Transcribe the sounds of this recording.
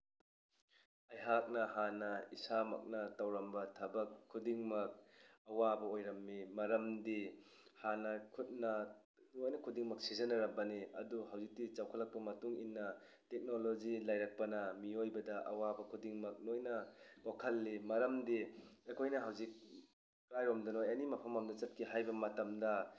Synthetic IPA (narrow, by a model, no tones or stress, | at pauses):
ɐjɦak̚nɐɦanɐisamɐ̰k̚nɐtawɾɐmbɐtʰɐbɐkʰːudiŋmɐk̚ɐwabɐojɾɐmːimɐɾɐmdi | hanɐkʰut̚nɐ | nojnɐkʰudiŋmɐk̚sizɐnɐɾɐbɐniɐduɦawzik̚tit͡ʃawkʰɐlɐk̚pɐmɐtuŋinːɐ | tek̚nolozilajɾak̚pɐnɐmiojbɐdɐʔɐwabɐkʰudiŋmɐk̚nojnɐkokʰɐlːimɐɾɐmdiekʰojnɐɦawzik̚ | kɾajɾomdɐnojɐnimɐpʰɐmɐmdɐt͡ʃɐt̚kʰiɦajbɐmɐtɐmdɐ